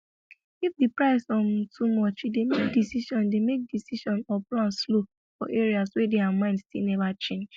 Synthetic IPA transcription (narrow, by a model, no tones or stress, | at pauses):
ifdipɹaɪsɔ̃ntʰumɔt͡ʃidemek̚disiʃɔ̃ndemek̚disiʃɔ̃nɔplãnslo | fɔ̰ʔeɹiaswɛdeamãɪ̃ndstilnɛvat͡ʃẽnd͡ʒ